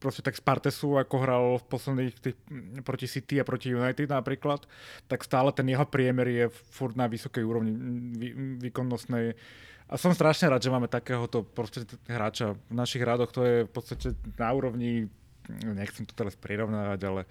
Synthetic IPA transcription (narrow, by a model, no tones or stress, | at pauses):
pɾɔscɛt̪akspaɾt̪ɛsuakɔɦɾalfpɔslɛd̪niːxt̪iːxpɾɔcisit̪iapɾɔcijunajt̪id̪napɾiːklat̪ːakst̪aːlɛt̪ɛnjɛɦɔpɾɪɛmɛɾjɛfuɾd̪naʋisɔkɛjuːɾɔʋɲiʋiʋiːkɔnːɔst̪nɛjʔa̰sɔmst̪ɾaʃɲɛɾaːd̪ʒɛmaːmɛt̪akɛːɦɔt̪ɔpɾɔst̪aɛɦɾaːt͡ʃavnaʃiɣɦɾad̪ɔxt̪ɔjɛfpɔt̪st̪acɛnauːɾɔʋɲi | ɲɛxt͡sɛmt̪ɔ̥t̪ɛɾaspɾiɾɔʊnaːʋaɟalɛ